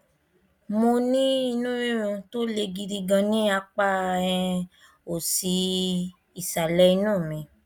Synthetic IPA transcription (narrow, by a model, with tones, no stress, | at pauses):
mo˧nĩ˦i˧nũ˦ĩ˦ɾũ˧to˦le˧ɡi˧di˧ɡã˧nĩ˦a˧k͡pa˦˧ɛ̃˧ | o˨si˧ | i˨sa˨lɛ˦i˧nũː˦˨mĩ˧